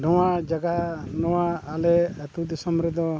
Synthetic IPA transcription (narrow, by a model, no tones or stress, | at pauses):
ɖɔwad͡ʒaɡanɔwaːlɛat̪ud̪isɔmɾɛd̪ɔ